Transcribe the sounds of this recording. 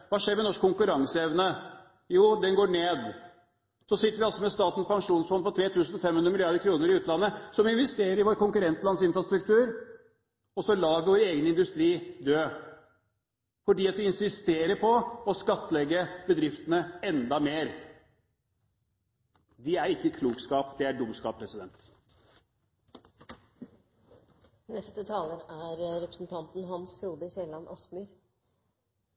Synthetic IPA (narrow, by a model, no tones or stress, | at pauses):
ʋɑːʂeːɾmɛnɔʂkʰːʊŋkʉɾɑŋsəɛʋnə | juːd̪ɛnɡoːɳeːd̪ | sɔsɪt̪ːəɾʋɪɑlsɔmɛst̪ɑːt̪n̩spʰɑŋʂuːnsfɔnpʰɔt̪ʰɾeːt̪ʰʉːsnɔfɛmhʉnd̪ɾəmɪlɪɑɾd̪əɾkʰɾuːnəɾɪʉːt̪lɑnːəsɔmɪnʋɛst̪eːɾəɾɪʋoːɾkʊŋkʉɾɛnt̪lɑnsɪnfɾɑst̪ɾʉkt̪ʉːɾ | ɔsɔlɑːɾʋɪʋoːɾəeːɡənəɪnd̪ʉst̪ɾiːd̪øː | fɔɖiːɑt̪ʋɪɪnsɪst̪eːɾəpʰɔɔskɑt̪ːəlɛɡːəbəd̪ɾɪft̪ənəɛnd̪ɑmeːɾ | d̪ɪæɾɪkːəkʰluːkskɑːpd̪ɛæɖʊmskɑːpʰɾɛsɪd̪ɛnt̪ | nɛst̪ət̪ʰɑːləɾæɾɾɛpɾəsn̩t̪ʰɑnt̪n̩ɦɑnsfɾuːd̪əseːlɑnʔɑ̰smʉːɾ